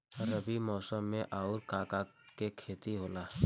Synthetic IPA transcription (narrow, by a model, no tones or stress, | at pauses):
ɐɾəbimɔːsəmːẽʔaːʊɾkaːka | kekʰeːt̪iɦoːlaː